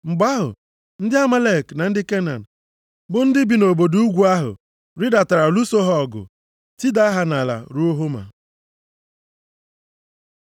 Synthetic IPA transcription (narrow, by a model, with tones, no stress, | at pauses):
ŋ͡m̩˨ɡ͡ba˦ɦʊ̰˨ | n̩˦dɪ˦a˦ma˦le˦˨kna˨n̩˦dɪ˦ke˦na̰˨n̩˨ | bʊ˨n̩˦dɪ˦bi˨no˨bo˨du˦u˦ɡʷu˦a˦ɦʊ̰˨ | ɾi˦da˨ta˨ɾa˨lu˦so˦ɦɔ˦˨ɡʊ̰˨ | ti˦da˦ɦa˨na˨la̰˨ɾu˦o˦ɦo˦ma̰˨